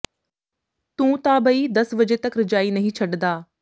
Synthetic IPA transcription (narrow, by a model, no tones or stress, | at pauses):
t̪ũːt̪aːbəiːd̪ɐsbəd͡ʒet̪ɐkɾɪd͡ʒaːiːnɐɦĩːt͡ʃʰɐɖd̪aː